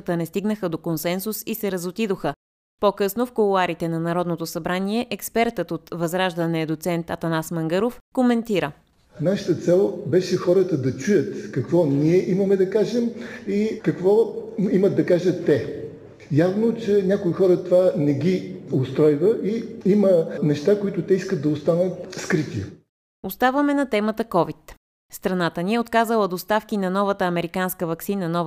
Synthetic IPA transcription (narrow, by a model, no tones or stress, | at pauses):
ət̪ənɛst̪iɡnəxəd̪okonsɛnsusisɛɾəzot̪id̪oxə | pokɤsnofkolˠaɾit̪ɛnɐnɐɾɔd̪not̪osɐbɾaniɛʔɛkspɛɾt̪ət̪ot̪vɐzɾaʒd̪ɐnɛɐd̪ot̪sɛnt̪ɐt̪ɐnasmɐŋɡɤɾofkomɛnt̪iɾə | naʃət̪ət̪sɛlˠbɛʃɛxɔɾət̪əd̪ɐt͡ʃujət̪kɐkvɔniɛʔimɐmɛd̪ɐkaʒɛmikɐkvɔiməd̪̚d̪ɐkaʒət̪ːɛ | javnot͡ʃɛnʲakoixɔɾət̪ovanɛɡʲiost̪ɾɔjvəʔiimənɛʃt̪akoit̪ʊt̪ɛiskət̪̚d̪ɐost̪anət̪skɾit̪iə | ost̪avəmɛnɐt̪ɛmət̪əkɔvit̪ | st̪ɾɐnat̪əniɛot̪kazəlˠəd̪ost̪afk̟inɐnɔvət̪əɐmɛɾikanskəvɐksinənɔv